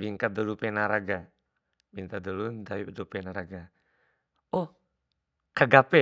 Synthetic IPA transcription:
biŋkat̪̚d̪ɔlupɛnaɾaɡa | bint̪ad̪ulund̪aidupɛnaɾaɡa | ɔ | kaɡapɛ

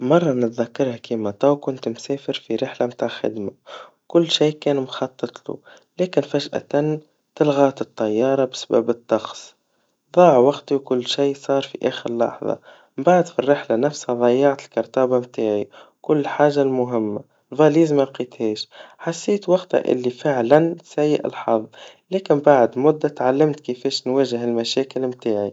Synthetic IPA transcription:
mɑrˤːɑnɪt̪ðækːɑɾˤhakiːmæt̪ˤɑːwkʊnt̪msɛːfɪɾfiɾɪħlamt̪aːʕxɪ̰d̪ma | kʊlːʃiːkɛːnmxɑt̪ˤːɨt̪ˤlṵ | lɛːkɪnfæʒʔæ̰t̪an | t̪ɪlɣɑːt̪ɨt̪ˤːɑjːɑːɾˤɑbsḁbæ̰bɨt̪ˤːɑxsˤ | ðˤɑːʕwɑɡt̪iwkʊlːʃijsˤɑːɾˤfiʔæːxəɾlːɑ̰ħðˤɑ̰ | mbaʕd̪firːɪħlanæfshæðˤɑjːɑʕt̪ɪlkɑɾˤt̪ɑːbamt̪aːʕikʊlːħaːʒalmʊɦɪmːa | lvɑliːzmæqiːt̪hɛːʃħasːiːt̪wɑqt̪ha̰ʔɪ̰lːifɪʕlænsæjːɪ̰ʔɪ̰lħɑðˤlɛːkɪnbaʕd̪mʊd̪ːat̪ʕalːɪmt̪kɪfɛːʃnwæːʒɪɦɪlmæʃæːkɪlmt̪aːʕi

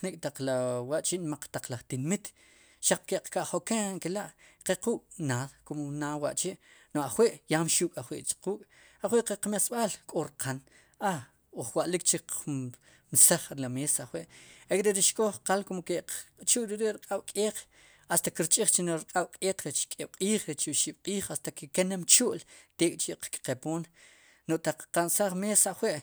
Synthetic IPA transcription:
nikʼt̪aq͡χlawaʔt͡ʃiʔnmaq͡χt̪aq͡χlaχt̪inmit̪ | ʃaq͡χ̚keqkaʔχokeŋkelaʔqequːkʼnaːðkomnaːwa̰ʔt͡ʃiʔnoaχweʔjaːmʃuːkʼaχwḭʔt͡ʃquːkʼ | aχweʔqeqmasɓaːlkʼoɾqʰan | a | oχwaʔlik̚t͡ʃiu | nsaχɾlameːsaχweʔekʼɾeɾiʃkʼoχqalkomket͡ʃuʔʼɾiɾeʔɾqʼaɓ̥kʼeːq͡χ | ast̪akiɾt͡ʃʼiχt͡ʃinoɾqʼaɓ̥kʼeːq͡χɾet͡ʃkʼeːɓ̥qʼiːχɾet͡ʃuʔʃiɓ̥qʼiːχast̪akekenemt͡ʃuʔlt̪eːkʼt͡ʃiʔqkʼqepoːn | noʔt̪aq͡χqansaχmeːsaχweʔ

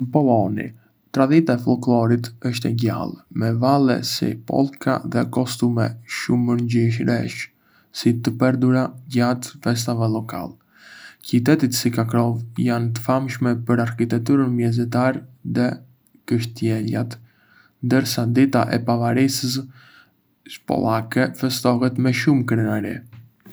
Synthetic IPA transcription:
pɔɔnḭ | t̪ɾad̪it̪aɛflˠɔklɔɾit̪əʃ̬t̪ɛɟa̰lˠmɛvalˠɛ̰sḭpɔ̰lˠkʰa̰ðɛkɔst̪umɛʃuməɾɲɟiʃɾɛʃ | sit̪əpɛɾd̪uɾaɟat̪fɛs̬t̪avɛlɔka̰lˠ | cit̪ɛt̪it̪sikakɾɔvjant̪̬ə̥famʃmɛpəɾaɾkit̪ɛk̚t̪uɾənmjɛzɛt̪aɾðɛ | kəʃt̪jɛla̰t̪ | nd̪əɾsad̪it̪aʔɛ̰pavaɾisəs | pɔ̰lˠakɛfɛst̪ɔɦɛt̪mɛʃumkɾɛnaɾḭ

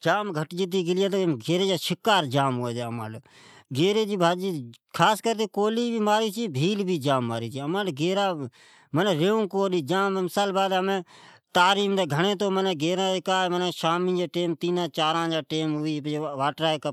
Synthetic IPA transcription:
d͡ʒaːmɡʱəʈd͡ʒɪt̪̬iːɡɪlɪjeːt̪̬oɡeːɾeːd͡ʒaːʃɪkːaːɾd͡ʒaːmɦoːeːd͡ʒeːma̰ːlː | ɡeːɾeːd͡ʒiːbʱaːd͡ʒiːkʰaːskəɾt̪eːkoːliːbʱiːmaːɾiːt͡ʃiːbʱiːlbʱiːd͡ʒaːmːaːɾiːt͡ʃʰiːəmãːlɡeːɾaː | məneːɾeːũːkoːɗiːd͡ʒaːmmɪsaːlbaːd̪ɦəmẽːt̪aːɾiːmd̪eːɡʱəɳ̃ẽːt̪oːmənɛːɡeːɾãːɪkaːmənɛːʃaːmĩːd͡ʒaːʈeːmt̪iːnãːt͡ʃaːɾãːd͡ʒaːʈeːmɦʊiːʋaːʈɾaːk

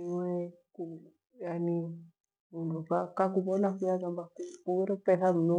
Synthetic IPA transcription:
iwɛ | ku | jani | mundukakakuβɔnakiakambakukuɣɛɾɔpɛθamunu

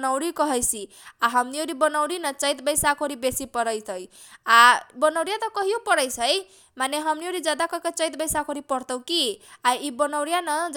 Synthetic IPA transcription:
nawɾikɔɦʌjsʰi | aɦʌmnioɾibɔnawɽinʌt͡sʌjt̪bʌjsakʰoɾibesipɔɾʌjt̪ʰʌj | abɔnawɾijat̪ɔkɔɦijopɔɾʌjsʰʌj | maneɦʌmnioɾid͡zad̪akɔkɔt͡sʌjt̪bʌjsakʰoɾipɔɾt̪ɔw̃kiajibɔnawɾjanʌd͡z

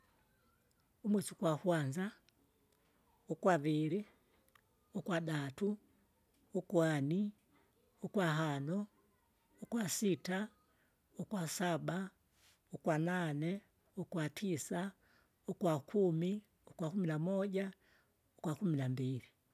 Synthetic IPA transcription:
umwɛt͡ʃukwakwanza | ukwaβiɾi | ukwaɗatuː | kwani | ukwaɦanɔː | kwasita | ukwasaba | ukwananɛ | ukwatʰisa | ukwakʰumi | ukwakuminamɔʄa | ukwakuminambiɾi

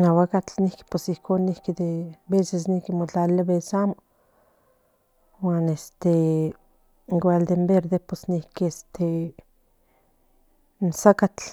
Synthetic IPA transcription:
nawakat͡ɬnihki̥pesihkʰonːihkid̪ebeses̬nihkimot͡ɬalaβesamo | wanest̪e | ŋɡʷald̪embeɾðepesnihkiest̪ʰe | nsakat͡ɬ

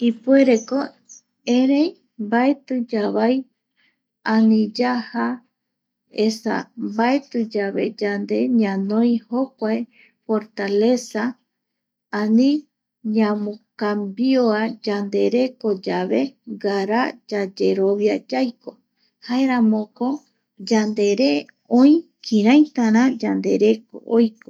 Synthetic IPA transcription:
ipue̞ɾe̞ko̞ | eɾej | mbaet̪ɨd͡ʒaβaj | anĩd͡ʒaha | esa̰mbaet̪ɨd͡ʒaβe̞̰d͡ʒand̪e̞ɲãnõj̃ho̞kʷae | fo̞ɾt̪ale̞saː | nĩ | ɲãmõkambioad͡ʒand̪e̞ɾe̞ko̞d͡ʒaβe̞ɡaɾad͡ʒad͡ʒe̞ɾo̞βjad͡ʒajko̞ | haeɾãmõko̞ | d͡ʒand̪e̞ɾe̞ | õĩkʰĩɾãj̃t̪ãɾ̃ãd͡ʒand̪e̞ɾe̞ko̰ʔojko

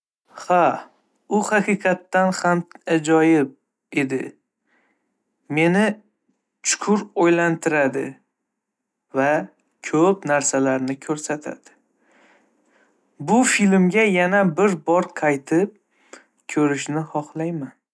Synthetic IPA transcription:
ha | ʊhɑqʰɨqʰɑt̪ːanhamad͡ʒɒjɪb̚ | e̞d̪ɪ̰ | me̞nɪ | t͡ʃʰʊ̥kʰʊɾojlant̪ʰɪɾad̪ɪ̰ | va | kʲʰɵpnaɾsalaɾnɪkʲʰɵɾsat̪ʰa̰d̪̥ɪ̥ | bʊfilmɡʲajanabɪɾbɒɾqʰɑjt̪ʰɪp̚ | kʲʰɵɾɪʃnɪhɒχlˠajman

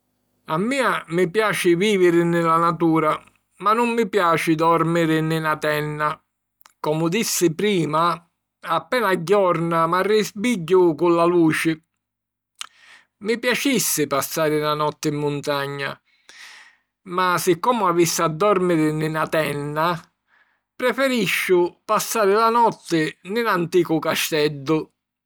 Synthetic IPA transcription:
amːiːamɪpjaːt͡ʃɪviːvɪɾɪnɪlanat̪uːɾa | manːʊmːɪpjaːt͡ʃɪd̪ɔɾmɪɾɪnɪnat̪ɛnːa | kɔmʊd̪isːɪpɾiːma | apːɛːnaɟːɔrnamarːɪzbiɟːʊkʊlːaluːt͡ʃɪ | mipjat͡ʃisːɪpasːaːɾɪlanɔt̪ːɪimːʊnt̪aɲːa̰ | masɪkːɔːmʊavisːɪad̪ːɔɾmɪɾɪnɪnat̪ɛnːa | pɾɛfɛɾiʃːʊpasːaːɾɪlanɔt̪ːɪnɪlant̪iːkʊkaʃt̪ɛd̪ːʊ

